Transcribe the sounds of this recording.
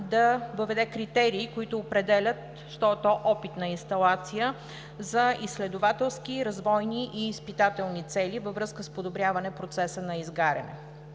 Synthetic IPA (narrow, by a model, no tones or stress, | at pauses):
d̪ɐvəvɛd̪ɛkɾit̪ɛɾiːkoit̪ʊːpɾɛd̪ɛlʲət̪ | ʃt̪ɔt̪ɔʔɔpit̪nɐinst̪ɐlˠat̪sijə | zɐislɛd̪ʊvat̪ɛlˠsk̟iɾɐzvɔjniʔiːspit̪at̪ɛlˠnit̪sɛlʲivəvɾɤskəspod̪obɾʲjavɐnɛpɾot̪sɛsənɐizɡaɾʲɐ̰nɛ̰